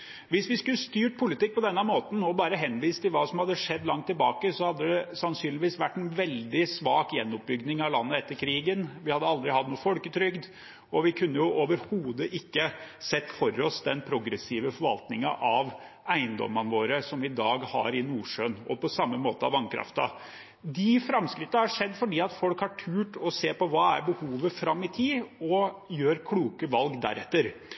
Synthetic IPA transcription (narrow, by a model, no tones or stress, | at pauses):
ʋɪsʋɪskʉlːəst̪yːʈ̚pʰʊlɪt̪ɪk̚ːpɔd̪ɛnːəmoːt̪n̩ɔbɑːɾəɦɛnːʋiːst̪ʰɪlʋɑːsɔmhɑd̪ːəʂɛd̪ːlɑŋt̪ːɪlbɑːkəsɔhɑd̪ːəd̪ɛsɑnsyːnlɪʋiːsʋæʈːɛnʋɛld̪ɪsʋɑːkjɛnːɔp̚bʏɡdnɪŋɑʋlɑnːəɛt̪ːəɾkʰɾiːɡənʋɪhɑd̪ːəɑld̪ɾɪhɑt̪nuːəfɔlkət̪ʰɾʏɡd̪ | ɔʋɪkʰʉnːəjʊʔoːʋəɾhuːd̪əʔɪkːəsɛt̪ːfɔɾɔsd̪ɛnpʰɾʊɡɾɛsiːʋəfɔɾʋɑ̰lt̪nɪŋɑʔɑʋ | æɪənd̪ɔ̰mːɑnʋoːɾəsɔmɪd̪ɑːɡhɑ̰ɾɪnuːʂøːnɔpɔsɑmːəmoːt̪əɑ̰ʋɑŋkʰɾɑ̰ft̪ɑ̰ | d̪ɪfɾɑmskɾɪt̪ːəhɑʂɛd̪ːfɔɖiːɑt̪fɔlkhɑʈʰʉːʈɔseːɾpɔʋɑːæ̰ɾbəhuːʋəfɾɑmːɪt̪ʰiːɔjøːɾkʰluːkəʋɑlɡd̪æ̰ɾɛt̪ːəɾ